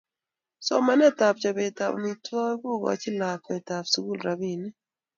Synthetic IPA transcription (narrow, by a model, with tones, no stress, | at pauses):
sɔ˦ma˦nɛ˦ta˨pt͡ʃa˨bɛ˨ta̰˨ni˨tɔ˦kʊ˦˨ɡɔ̰˨˦t͡ʃɪ˦la˨k̚mɛ˨ta˨psu˦ɡu˦lɾa˨bi˦˨nɪ˦